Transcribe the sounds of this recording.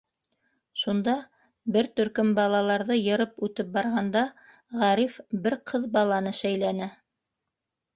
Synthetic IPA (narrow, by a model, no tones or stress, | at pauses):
ʃund̪ɑ | bɘɾt̪ɵ̆ɾkɵmbɑlˠɑlˠɑɾðɤjɤ̆ɾɤpʉt̪ɘp̚bɑɾʁɑnd̪ɑ | ʁæɾifbɘɾqʰɤðbɑlˠɑnɤʃæjlænɘ